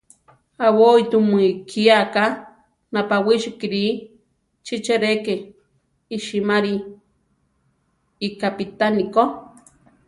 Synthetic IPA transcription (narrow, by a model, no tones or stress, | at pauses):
awoit̪umikʰiaka | napawiʃikiɾi | t͡ʃit͡ʃeɾekeː | ʃimaɾi | kapit̪aniko